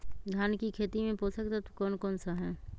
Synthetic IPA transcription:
d̪ʱjaːnkikʰeːt̪imẽpoːsəkt̪at̪okɔːnkɔːnsaɦɛː

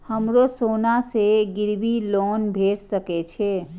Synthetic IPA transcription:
həmɾosonaseɡiɾbilonbʱeɽsəkɛt͡ʃʰɛ

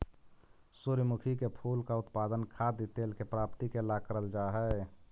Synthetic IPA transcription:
suɾmukʰikepʰuːlkaʊt̪paːd̪ənkʰad̪it̪eːlkepɾaːpt̪ikelakəɾəld͡ʒaɦɛ

